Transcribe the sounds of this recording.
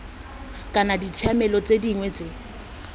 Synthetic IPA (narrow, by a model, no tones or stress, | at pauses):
kʼanadit͡sʰamɛlɔt͡sʼediŋwɛt͡sʼe